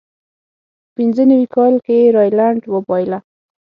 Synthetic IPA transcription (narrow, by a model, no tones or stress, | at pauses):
pinzənawikɑlkeɾɑjlaɳʈwəbɑjla